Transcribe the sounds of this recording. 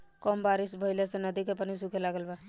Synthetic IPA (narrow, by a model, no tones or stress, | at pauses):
kɔmbaɾisbʱəɦɪlesẽnəd̪ikepənis̬ukelaɡəlba